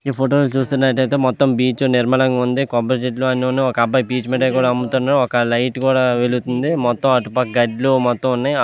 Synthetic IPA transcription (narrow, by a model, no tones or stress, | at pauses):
iːpʰoʈoːlt͡ʃuːst̪unːɐʈɐjt̪eːmɔt̪ːɐmbiːt͡ʃuniɾmɐlɐŋɡaund̪ikɔbɐɾd͡ʒiʈluɐniunːeɔkɐɐbːaːjpiːt͡ʃmiːʈɐjkuːɽaːɐmbut̪unːaːɾuɔkɐlɐjʈkuːɽaːʋelut̪und̪imɔt̪ːɐmɐʈupɐk̚ɡɐɖlumɔt̪ːɐ̃munːaj